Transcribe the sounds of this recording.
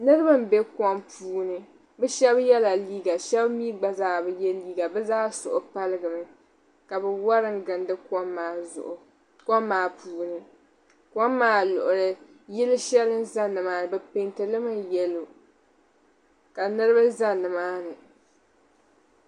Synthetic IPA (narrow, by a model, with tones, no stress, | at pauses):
nɨ˦ɾɨ˦bɨ˦m̩˦be˦kɔ˦mpʰuː˦nɨ˨ | bɛ˦ʃɛ˦bjɛ˦la˨liː˦ɡa˨ʃɛ˦bmi˦ɡ͡ba˦zaː˦˨bɨ˦jɛ˦liː˦ɡa˨bɛ˦zaː˦sʊ̰˨ʔʊ˨pa˦lɨ˦ɡɨ˨mɨ˨ | ka˨bɨ˨wa˦ɾɨ˦ŋɡɨ˨ndɨ˦kɔ˦mːaː˨˦zʊ̰˨ʔʊ˨ | kɔ˦mːaː˨pʰuː˨˦nɨ˨ | kɔ˦mːaː˦˨lʊ˨ʔʊ˨ɾɨ˨ | jɪ˦lɨ˦ʃɛ˦lɨ˦nza˦nːɨ˨maː˦nɨ˨bɛ˨pe˨ntɨ˨lɨ˦mɨ˦jɛ˦lo˨ | ka˨nɨ˦ɾɨ˦ba˦za˦nːɨ˨maː˦nɨ˨